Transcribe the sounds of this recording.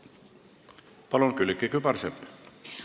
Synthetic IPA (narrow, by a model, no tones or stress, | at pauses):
pɑlonkylkːikypɑrsepː